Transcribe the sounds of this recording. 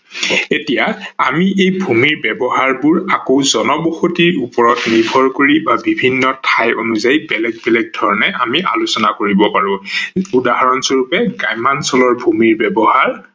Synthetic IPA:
etijaa̰miʔejbʱumiɹbɛbɔhaɹbʊɹakowzɔnɔboxotiɹupɔɹɔtnibʱɔɹkoɹibabibʱinːɔtʰajʔonuzajbɛlɛɡ̚bɛlɛɡ̚dʱɔɹɔnɛʔamiʔa̰lusɔnakoɹibɔpaɹʊ̃udaɦaɹɔnsoɹupɛɡajmansɔlɔɹbʱumiɹbɛbɔhaɹ

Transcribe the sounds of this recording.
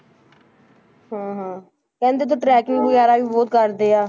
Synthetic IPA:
ɦãːɦãː | kɛ̃ːnd̪eːt̪̬õːʈɾɛːkɪŋɡbəjaːɾaːʋiːboːt̪̚kəɾd̪eːaː

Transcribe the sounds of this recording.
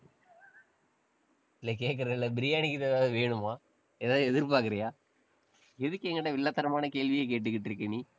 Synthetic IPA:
ɪlɐk̬eːʈ̚k̬ɪɾɐɪlːɐbɪɾɪjaːnɪkːɯt̪eːðaːðɯʋeːɳɯmaː | ɛːðaːðɯɛðɪɾp̬aːɾkɪɾɐjaː | ɛðɯkːɛŋɡɐɽɐʋɪɭːɐt̪ːɐɾɐmaːnɐkeːlʋɪjɐk̬eːʈ̬ːɯkːɪʈːɪɾɯkːɐniː

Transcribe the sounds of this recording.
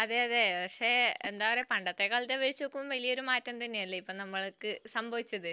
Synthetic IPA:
ɐðeɐðepɐkʂe̞ːend̪aːʋɐɾe̞pɐɳɖɐt̪ːekːaːɭɐt̪ːeʋeɻit͡ɕːuokːumumʋɐlijoɾumaːtːɐmt̪ɐnːejɐlːɐipːoːnɐmːɐɭkːɨsɐmbʱɐʋit͡ɕːɐðɨ

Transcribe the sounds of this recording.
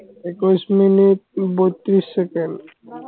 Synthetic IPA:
ekusminit̚bojt̪ːɾisːekenɖ

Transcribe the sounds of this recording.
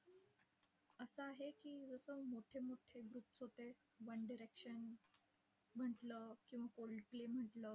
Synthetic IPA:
əsəaɦekiːd͡zəsəmoʈʰemoʈʰeɡɾuːpsɦot̪e | ʋəɳɖiɾekʂən | m̤əʈləːkĩw̃ʋakoɭɖplem̤əʈləː

